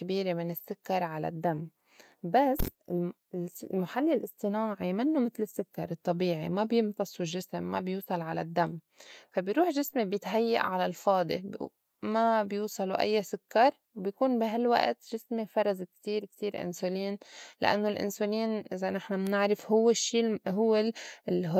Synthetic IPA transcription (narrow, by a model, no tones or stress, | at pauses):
kabiːɾemɪnɪsːʊkːɑɾˤʕala̰d̪ːamː | basɪ | lmaħalːilʔɪsˤt̪ˤɨnaːʕimɪnːomɪt̪lɪsːʊkːɑɾˤɨt̪ˤːɑbiːʕḭmabjɪmt̪ɑsˤulʒːɪsɪmːa̰bjuːsˤɑlʕala̰d̪ːamː | fabjɾuːħʒɪsmibjɪt̪ɦajːa̰ʔʕalalfɑːd̪ˤḭ | mabjuːsˤɑluʔa̰jːasʊkːɑɾˤwbjakuːnbiɦalwa̰ʔt̪ʒɪsmifɑɾˤɑzkt̪iːɾkt̪iːɾʔɪ̰nsuliːnlɪ̰ʔa̰nːolʔɪ̰nsuliːnʔɪzanɪħnamnɪʕɾɪfhʊwːɪʃːiːɦʊwːɪɦʊ